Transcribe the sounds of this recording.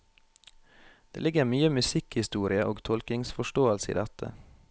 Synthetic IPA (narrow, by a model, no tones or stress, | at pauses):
d̪̥ḛːlɪɡəɾmyːəmʉsɪkhɪst̪uːɾɪəʔoːɡt̪ʰɔlkɪŋsfɔʃʈoːəlsəḭːd̪ɛt̪ʰə̰